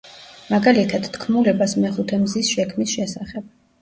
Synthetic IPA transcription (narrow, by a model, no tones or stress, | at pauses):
maɡalit̪ʰad̪̥t̪ʰkʰmulɛbasmɛχut̪ʰɛmzisʃɛkʰmisʃɛsaχɛb̥̚